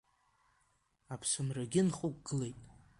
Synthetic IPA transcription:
apʰsɨmraɡʲɪnχuk̚ʷɡ̥ɨle̞jtʼ

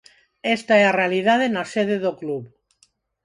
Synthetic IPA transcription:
est̪aearealiðaðenaseðeðokluβ

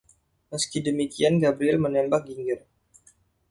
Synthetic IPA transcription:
məskidəmikianɡabɾiɛlmənɛmbak̚ɡiŋɡər

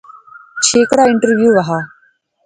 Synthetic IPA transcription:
t͡ʃʰeːkɽaːɪɳʈəɾʋjuːʋaɦaː

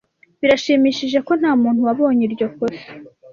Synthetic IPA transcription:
βiɾaʃimiʃiʒe̞ko̞n̥haːmuːn̥huwaβo̞ːɲiɾɟo̞kose̥

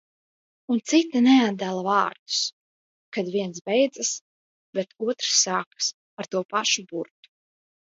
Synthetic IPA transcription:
unt̪sit̪anɛad̪̚d̪ælˠavɑːɾd̪u̥s | kad̪viɛns̬bɛjd̪zas | bet̪uɔt̪ɾsːaːkḁs | aɾt̪uɔpaʃubuɾt̪u̥

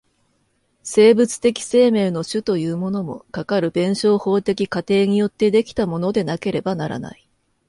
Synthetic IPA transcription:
se̞ːbɯ̟t͡sɨ̥t̪e̞kʲi̥se̞ːme̞ːno̞ɕɨt̪o̞jɯ̟ːmo̞no̞mo̞̰kakaɾɯ̟bẽ̞ɰ̃ɕo̞ːho̞ːt̪e̞kʲikat̪e̞ːɲ̟ijo̞t̪ːe̞d̪e̞kʲi̥t̪amo̞no̞d̪e̞nake̞ɾe̞banaɾa̰na̰i

